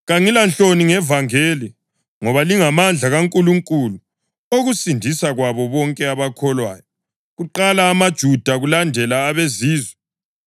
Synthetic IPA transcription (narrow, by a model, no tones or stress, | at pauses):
ɣaŋilanɬoniŋɛvaŋeːli | ŋɔβaliŋamand͡ɮʱaɣaŋkʼuluŋkʼulu | oɣusindʱisaɣwaβɔβɔŋkʼɛaβakʰɔlwaːjɔ | ɣuǃalaːmad̥ʒ̥ʱud̥ʱaɣulandʱɛlaːβeziːzwɛ